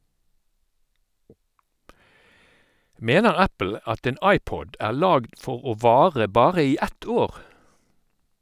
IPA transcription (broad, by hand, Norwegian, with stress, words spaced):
ˈmeːnəʁ ˈæpl̩ ˈɑt ˈeːn ˈɑɪˌpɔd ˈæːʁ ˈlɑːɡd ˈfɔʁ ˈoː ˈʋɑːʁə ˈbɑːʁə ˈiː ˈɛt ˈoːʁ